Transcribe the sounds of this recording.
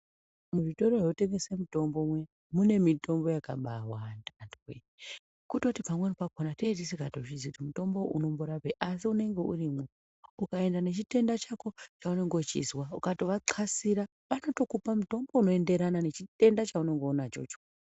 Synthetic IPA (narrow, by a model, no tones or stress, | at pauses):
muʐito̞ɾoreute̞ŋɡesemuto̞mbo̞mwe | mune̞mito̞mbo̞jakaɓawandandwe | kutotipamwenopakonateit̬isekatot͡ʃid͡ziutimuto̞mbo̞ʔuno̞mbuɾapeʔasiune̞ŋɡe̞ʔurimo | ukae̞ndane̞t͡ʃite̞ndat͡ʃako̞t͡ʃaune̞ŋɡo̞t͡ʃḭzwaukatoʋaǃʰasiɾa | ʋano̞to̞kupamuto̞mbo̞uno̞e̞nde̞ɾanane̞t͡ʃite̞ndat͡ʃaune̞ŋɡo̞nat͡ʃo̞̰t͡ʃo